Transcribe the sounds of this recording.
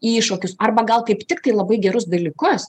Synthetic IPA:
iːʃoːkʲʊsɐrbɐɡɐlˠkɐɪpt̪ʲɪkt̪ɐɪlˠɐbɐɪɡʲɛɾʊsd̪ɐlʲiːkʊs

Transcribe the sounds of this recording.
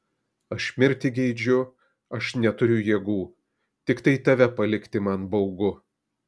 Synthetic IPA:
ɐʃmʲɪɾʲt̪ʲɪɡʲɛɪd͡ʒʲʊ | ɐʃnʲɛt̪ʊɾʲʊjiɛɡuː | t̪ʲɪkt̪ɐɪt̪ɐʋʲɛpɐlʲɪkʲt̪ʲɪmɐnbɐʊɡʊ

